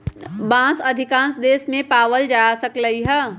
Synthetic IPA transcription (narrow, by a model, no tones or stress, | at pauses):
bãːsɐd̪ʱɪkãːnsd̪eːsmẽpaːʋəld͡ʒaːsɐkləiɦɛ